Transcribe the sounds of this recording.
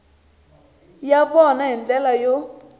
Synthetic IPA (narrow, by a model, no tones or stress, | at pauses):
jaɓɔnaɦind͡ɮɛlajo